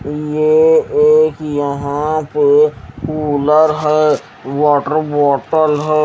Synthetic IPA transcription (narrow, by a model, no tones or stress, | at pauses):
jeeːkjəɦãpekuːləɾɦɛː | ʋaːʈəɾbɔːʈəlɦɛː